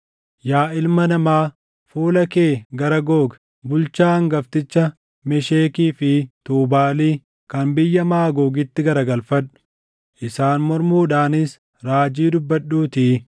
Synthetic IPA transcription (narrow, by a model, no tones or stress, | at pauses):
jaːɪlmɐnɐmaː | fuːlɐkeːɡɐɾɐɡo̞ːɡ | bʊlt͡ʃaːŋɡɐft̪ɪt͡ʃːɐ | mɛʃeːkiːfɪt̪uːbaːliː | kɐnbɪjːɐmaːɡoːɡɪt̪ːɪɡɐɾɐɡɐlfɐᶑʊ̥ | ʔɪsaːnmɔɾmuːᶑaːnɪs | ɾaːd͡ʒiːd̪ʊbːɐɗːuːt̪iː